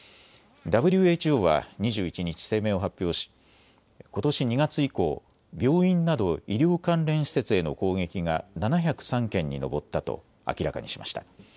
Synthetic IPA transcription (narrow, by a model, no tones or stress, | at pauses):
d̪abɯ̟ɾʲɯ̟e̞ːt͡ɕio̞ːβa̰ɲ̟iʑɨːit͡ɕiɲ̟it͡ɕi̥se̞ːme̞ːo̞ɦapʲːjo̞ːɕi̥ | ko̞t̪o̞ɕiɲ̟iɡat͡sɨiko̞̰ː | bʲo̞ːĩnnad̪o̞iɾʲo̞ːkãnɾẽ̞ɰ̃ɕi̥se̞t͡sɨe̞no̞̰ko̞ːɡe̞kʲiŋananaçʲakɯ̟̥sãŋkẽ̞ɲ̟ːino̞̰bo̞t̪ːat̪o̞̰ | a̰kʲiɾaka̰ɲḭɕima̰ɕi̥t̪ḁ